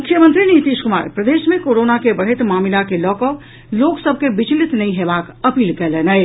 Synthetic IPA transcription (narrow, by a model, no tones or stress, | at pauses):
mukʰːjəmənt̪ɾinit̪iskuma̰ːɾpɾəd̪esmẽkoɾonakebəɽ̤et̪mamilakelɔko | loksəb̚ʱkebit͡ʃlit̪nəiɦebakəpiːlkɛlenəɪ